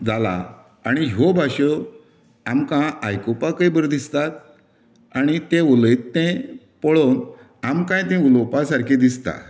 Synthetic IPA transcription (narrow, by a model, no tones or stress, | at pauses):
d͡zala̰ | aɽ̃ijɦobʱaɕə | amkãajkopakəibəɾd̪ist̪at̪̚ | aɽ̃it̪euləjt̪ːẽ | pəɭon | amkãjt̪ɛ̃ulopasaɾkʰed̪ist̪a̰